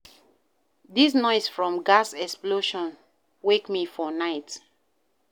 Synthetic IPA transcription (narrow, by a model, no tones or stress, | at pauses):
dis̬nɔɪsfɹɔ̃mɡasɛksploʃɔ̃n | wekmifɔnaɪt